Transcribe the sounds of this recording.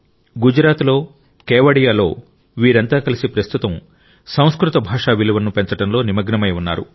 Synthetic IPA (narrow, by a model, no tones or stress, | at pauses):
ɡud͡ʒɾaːt̪lo̞ː | keːʋɐɽijaːlo̞̰ː | ʋiːɾɐnt̪aːkɐlisipɾɐst̪ut̪ɐm | sɐw̃skɾut̪ɐbʱaːʂaːʋiluʋɐnːupeɲt͡ʃɐʈɐnlo̞ːnimɐɡnɐmɐjunːa̰ːɾṵ